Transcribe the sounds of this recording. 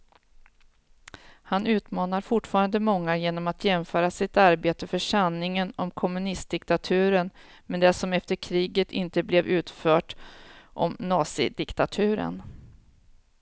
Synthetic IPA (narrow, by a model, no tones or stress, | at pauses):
hanʉ̟ːt̪mɑːnaɾfʊʈfɑːɾand̪əmɔŋːajeːnɔmat̪jɛmfœːɾasɪt̪aɾbeːt̪əfœʂanːɪŋənɔmkʰɔmɵnɪst̪̚d̪ɪkt̪at̪ʰʉ̟ːɾən | mɛnd̪ɛsɔmɛft̪əɾkʰɾiːɡət̪ʰɪ̰nt̪əblɛvʉ̟ːt̪fœːʈʔɔ̰mnɑːsɪ̰d̪ɪkt̪at̪ʰʉ̟ːɾə̰n